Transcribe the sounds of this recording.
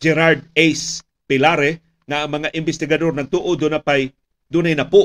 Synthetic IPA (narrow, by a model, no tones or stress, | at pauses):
d͡ʒɛɾaɾd̪̚ejs | pɪlaɾɛ | ŋaʔɐŋmɐŋaʔɪmbɪst̪ɪɡɐd̪oɾnɐŋt̪uʔod̪ʊnapaj | d̪unajnɐpʊ